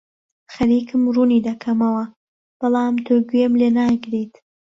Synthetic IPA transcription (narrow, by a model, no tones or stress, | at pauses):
xɐɾiːkɨmruniːd̪ɐkʰɐmɐwɐ | b̥ɨlaːmt̪ʰoɡujemlenaɡɾit̪